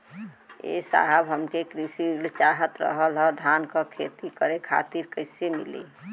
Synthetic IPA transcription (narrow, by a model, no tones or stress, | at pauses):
ḛsa̰ɦəbɦəmkekɾisiɽt͡ʃaɦət̪ɾə̰ɦəlɦəd̪ʱankəkʰet̪ikəɾekʰa̰t̪iɾkəɪsemḭlḭ